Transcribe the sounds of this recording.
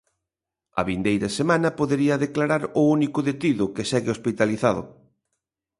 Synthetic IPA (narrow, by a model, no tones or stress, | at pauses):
ɐ̰βind̪ejɾɐsemanɐpoðeɾiɐðeklaɾaɾʊunikʊðet̪iðʊkesɛɣɪospit̪aliθaðʊ̰